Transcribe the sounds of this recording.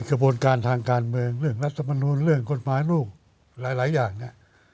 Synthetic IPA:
kʰɾa˧buː˧ə˧nkaː˧nt̪ʰaː˧ŋkaː˧nmɯ˧əŋɾɯ˥˩əŋɾa˦˥t̪ʰːa˧ma˧nuː˧nɾɯ˥˩əŋko˨˩t̪̚maː˨˦jluː˥˩k̚ | laː˨˦˥jlaː˩˦jaː˨˩ŋni˦˥˩ɐʔ

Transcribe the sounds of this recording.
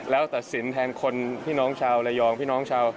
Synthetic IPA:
lɛː˦˥wt̪a˨˩t̪̚si˩˦nt̪ʰɛː˧nkʰo˧npʰiː˥˩nɔː˦˥ŋt͡ɕʰaː˧wlɛ˧˥jɔː˧ŋpʰiː˥˩nɔː˦˥ŋt͡ɕʰaː˧w

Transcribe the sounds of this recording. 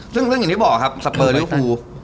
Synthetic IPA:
sɯ˥˩ŋɾɯ˥˩ŋʰ˨˩i˦˥˩bɔː˨˩kʰa˦˥p̚sa˧pːɤː˧li˦˥˦kʰuː˧

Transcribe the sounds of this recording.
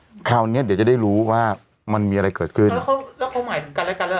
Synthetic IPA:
kʰaː˨˩wni˦˥˨di˨˦wt͡ɕa˨˩da˥˩jɾuː˦˥waː˥˩ | ma˧nmiː˧ʔa˧a˧jkɤː˨˩t̪̚kʰɯ˥˩lnɛ˦˥kʰa˧˥wlɛ˦˥wkʰa˦˥wmaː˨˦jt̪ʰɯ˩˦ka˧lɛ˦˥˧ka˧lɛ˦˥

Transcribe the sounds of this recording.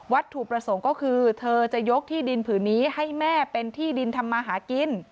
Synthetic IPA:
wa˦˥t̪ʰːu˨˩k̚pɾa˧so˩˦ŋkɔː˥˩kʰɯː˧t̪ʰɤː˧t͡ɕa˨˩jo˦˥k̚t̪ʰiː˥˩di˧npʰɯː˩˦nːiː˦˥ha˥˩jmɛː˥˩pe˧nt̪ʰiː˥˩di˧nt̪ʰa˧mːaː˧ɦaː˩˦ki˧n

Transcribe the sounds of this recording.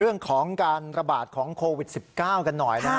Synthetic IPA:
ɯ˥˩əŋkʰɔː˩˦ŋkaː˧nɾa˧baː˨˩t̪̚kʰɔː˩˦ŋkʰoː˧wi˨˩t̪̚si˨˩p̚kaː˥˩wka˧nːɔ˨˩jna˦

